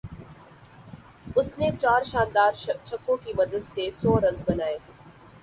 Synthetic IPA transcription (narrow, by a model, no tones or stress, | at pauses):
ʊsnet͡ʃaːɾʃãːnd̪aːɾt͡ʃʰɐkːõkimɐd̪əd̪sesɔːɾɐ̃nzbɐnaːeː